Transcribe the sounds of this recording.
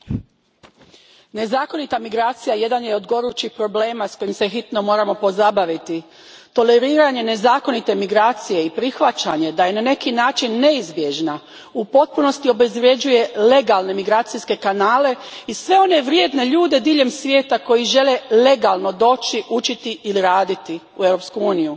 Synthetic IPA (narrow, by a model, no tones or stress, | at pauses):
ne̞zaːko̞nit̪amiɡɾaːt̪sijaje̞d̪anjeod̪ɡo̞ɾut͡ʃixpɾo̞ble̞ːmasko̞jimsexit̪no̞mo̞ːɾamo̞po̞zabaʋit̪i | t̪o̞le̞ɾiːɾaɲe̞ne̞zaːko̞nit̪e̞miɡɾaːt̪sije̞ipɾixʋat͡ʃaɲe̞d̪aje̞nane̞kinaːt͡ʃinːe̞izbje̞ʒna | upo̞t̪̚puno̞st̪io̞be̞zʋɾje̞d͡ʒuje̞le̞ɡalne̞miɡɾaːt̪siske̞kanaːle̞isʋe̞o̞ne̞ʋɾjeːd̪ne̞ʎuːd̪e̞d̪iːʎe̞msʋje̞ːt̪ako̞jiʒe̞lele̞ɡalˠno̞d̪o̞ːt͡ʃiʔut͡ʃit̪iʔiliɾaːd̪it̪i | uewɾo̞pskuuːniju